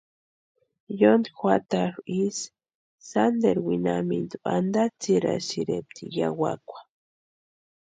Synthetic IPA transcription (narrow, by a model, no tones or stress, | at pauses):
jond̪ixʷat̪aɾisː | and̪eɾwinamind̪uand̪at͡siɾasiɾep̚t̪ʰijawakʷḁ